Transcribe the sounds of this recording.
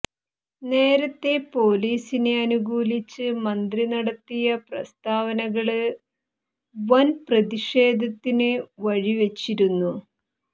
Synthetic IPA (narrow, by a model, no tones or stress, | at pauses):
ne̞ːɾɐt̪ːe̞po̞ːliːsine̞ɐnuɡuːlit͡ɕːɨmɐnd̪rinɐɽɐt̪ːijɐprɐ̰st̪aːʋɐnɐɣɐɭɨ | ʋɐnprɐðiʂe̞ːd̪ʱɐt̪ːinɨʋɐɻiʋe̞t͡ɕːiɾunːu